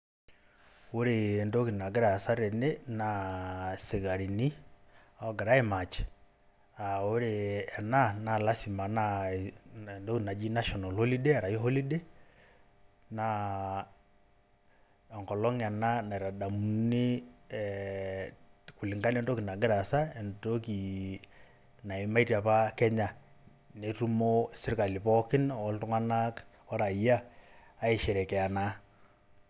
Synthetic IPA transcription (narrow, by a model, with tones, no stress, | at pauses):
o˦ɾe˨ndo˦ki˨na˨ɡɪ˦ɾa˨sa˦ɾe˨ne˦na | sɪ˨ɣa˨ɾi˨ni˦ | a˦ɡɪ˨ɾa˦e˦ma˨t͡ʃe̥˨ | a˨o˦ɾe˨ɛ˨na˦na˨la˦si˨ma˨na˦ | ndo˦ki˨na˨d͡ʒi˦na˦ʃɔ˨na˨lho˦li˦de˦ɛ˨ɾa˨ji˦ɦo˦li˦de˦ | na | a˨ŋkɔ˨lɔ˦ŋa˨na˦na˨i˨ɾa˨da˨mu˨˦ni˦ | ku˨lɪ˨ŋka˦n˦ɛ˦ndo˦ki˨na˨ɡɪ˦ɾa˨sa˦e˨nto˦ki˨ | na˨i˨ma˦i˦tja˨pa˦kɛ˦ɲa˨ | ne˨tu˦mo˦sɪ˦ɾka˨li˨pɔ˦kɪ˦nɔ˦ltu˦ŋa˦na˦k | ɔ˦ɾa˨ijaː˦e˨ʃɛ˨ɾɛ˨kɛ˨a˨na˨